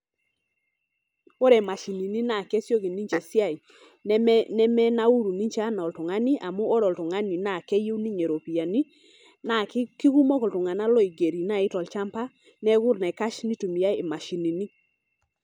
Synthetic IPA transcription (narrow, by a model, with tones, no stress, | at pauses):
ɔ˦ɾɛ˨ma˨ʃi˨ni˨ni˦na˨kɛ˦sjɔ˦ɣi˨ni˦ɲt͡ʃɛ˨sja˦˨i˨ | nɛ˦mɛ˦na˦u˦ɾu˨ni˦ɲt͡ʃa˦nɔ˨ltʊ˨ŋa˦ni˦ʔa˨mu˦ʔɔ˦ɾɔ˨ltʊ˨ŋa˦ni˨na˦˨kɛ˦je˦wni˦ɲe˨ɾo˨pi˨ja˨ni˦ | na˨˦ki˦ɣu˦mɔ˦kɔ˨ltʊ˨ŋa˨na˦lɔ˦i˨ɡe˨ɾi˨na˦˨ɪ˦tɔ˨lt͡ʃa˦mpa˦ | nɛ˦ɣʊ˦ɾnɛ˨ka˦ʃni˦tu˨mi˨a˦ɪ˨ma˨ʃi˨ni˨ni˦